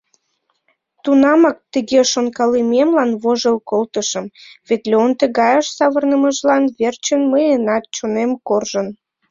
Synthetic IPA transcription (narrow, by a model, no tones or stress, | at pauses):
t̪unɑmɑk̚t̪əɣeʃonkɑlimemlɑnβoʒəlkolt̪əʃəmβet̪lʲeont̪əɣɑjəʃsɑβərnəməʒlɑnβert͡ɕənməjənɑt̪̚t͡ɕonemkorʒən